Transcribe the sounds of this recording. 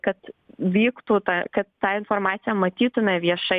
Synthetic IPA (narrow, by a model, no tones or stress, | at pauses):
kɐt̪ʋʲiːkt̪uːt̪ɑkɐt̪ːɑːɪnfoɾmɑːt̪sʲɪjɛmɐt̪ʲiːt̪ʊmʲɛʋʲiɛʃɐ